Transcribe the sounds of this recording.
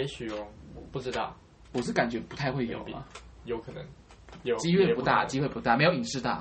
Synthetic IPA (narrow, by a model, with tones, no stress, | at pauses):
e˧˥ɪɕy˨˩jo˥˩ŋ˨pu˥˩ʈ͡ʂɻ̩˥t̪ɑ˥˩ʊ | wɔ˨˩˥ka˨˩nt͡ɕɥɛ˧˥pu˧˥t̪ʰa˥˧ɪxwe˥˩ɪjo̰˨˩ʊɐ̰˦jo˧ʊkʰə˨˩nə̰˧˦ŋ˨˩ | t͡ɕi˥ɥe˥˩pu˧˥t̪a̰˥˩t͡ɕi˥xwe˥˧ɪpu˧t̪a˥˩me˧˥o˧ʊi˨˩ŋʂɻ̩˥˧t̪ɑ˥˩ʊ